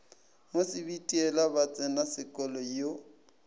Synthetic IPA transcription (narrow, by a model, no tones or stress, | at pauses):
mosɪbitʼiɛlabat͡sʼɪnasɪkʼɔlɔjo